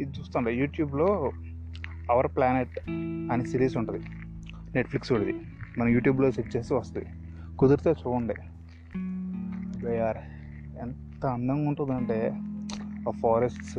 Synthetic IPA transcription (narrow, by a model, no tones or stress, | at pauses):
id̪t͡ʃuːst̪uːɳɖijuːʈjuːbloː | ɐʋɐɾplaːneʈɐnisiːɾiːsuɳʈund̪i | ne̞ʈpʰliksuɽɐd̪i | mɐnɐmjuːʈjuːbloːseʈt͡ʃeːsiʋɐst̪und̪i | kud̪uɾt̪oːt͡ʃuːɐɳɖḭ | bejaːɾ | ent̪ɐɐnd̪ɐŋɡuɳʈund̪ɐɳʈe̞ː | apʰaːɾesʈs